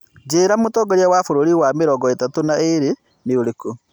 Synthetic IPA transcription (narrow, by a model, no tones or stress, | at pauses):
d͡ʒeɾamotɔːɡɔɾiawafoɾoɾiwameɾɔɡɔetatonaeɾe | neoɾeko